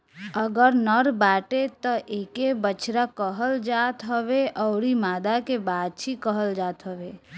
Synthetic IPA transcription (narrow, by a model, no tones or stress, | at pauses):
əɡəɾnəɾbaːʈet̪ɔʔeːkebət͡ʃɾakəɦəld͡ʒaːt̪ɦəʋeʔɔːɾimaːd̪akebaːd̪̚t͡ʃʰikəɦəld͡ʒaːt̪ɦəʋeː